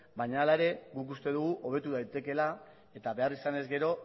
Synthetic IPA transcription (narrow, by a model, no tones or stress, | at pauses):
bajɲaːlae̞ɾe̞ɡukust̪e̞ðuɣ̞uʔo̞β̞e̞t̪uðajt̪e̞ke̞la | e̞t̪aβe̞arisane̞zɡe̞ɾo̞